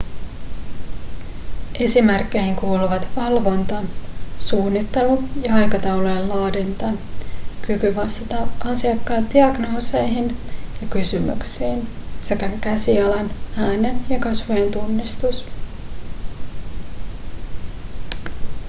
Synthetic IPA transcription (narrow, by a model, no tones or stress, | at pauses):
ʔe̞simerkːe̞jhiŋkuːluʋɑt̪ʋɑlʋo̞nt̪ɑsuːnːit̪ːe̞lujɑɑjkɑt̪ɑwlojellɑːdint̪ɑnkykyʋɑst̪ɑt̪ɑʔɑsiɑkːɑːt̪d̥iɑɡno̞ːse̞jɦinjɑkysymy̰ksiːnse̞kækæsiɑlɑnæːne̞njɑkɑsʋojent̪unːist̪us